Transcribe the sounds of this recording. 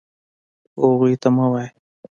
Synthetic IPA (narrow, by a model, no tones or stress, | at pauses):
oɣit̪amawaj